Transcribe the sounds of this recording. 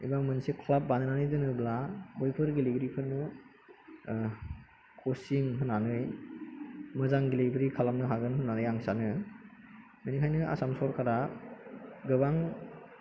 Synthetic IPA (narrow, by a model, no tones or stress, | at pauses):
ibaŋmɯnsikʰlap̚ːanɯnanɯjdɯnɯblabɔjpʰɯɾɡiliɡɾipʰɯnːɯ | kʰosiŋɦɯnanɯj | mɯzaŋɡilebɯɾikʰalamnɯɦaɡɯnɦɯnanɯjaŋsanɯ | menikʰajnɯʔa̰samsɔɾkʰaɾa | ɡɯbaŋ